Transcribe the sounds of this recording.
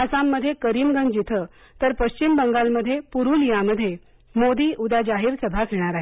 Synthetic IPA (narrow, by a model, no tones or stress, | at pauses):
əsamːəd̪ʱːjekəɾiːmɡənd͡ʑit̪ʰə | t̪əɾpəɕt͡ɕimbəŋɡalməd̪ʱːjepuɾuːljaməd̪ʱːje | mod̪iːʔud̪ad͡ʑaɦiːɾsəbʱakʰeɽ̃aɾaɦi